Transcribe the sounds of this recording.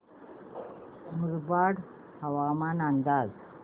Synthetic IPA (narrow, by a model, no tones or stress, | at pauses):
muɾbaɽ | həʋamanənd̪ad͡z